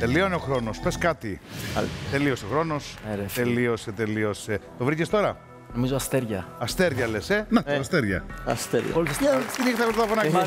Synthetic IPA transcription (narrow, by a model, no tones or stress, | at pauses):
t̪e̞lioneoxɾo̞no̞speskɐt̪iɐ̰lt̪e̞lio̞sexɾo̞no̞seɾeelio̞set̪e̞lio̞set̪ovɾicest̪o̞ɾɐ | nomizoɐst̪eɾʝɐ̰ɐst̪e̞ɾʝɐle̞senɐɐst̪eɾʝɐ̰ɐ̰st̪eɾʝɐ̰polisist̪jɐst̪inixt̪ɐpt̪t̪ɐfonɐɐ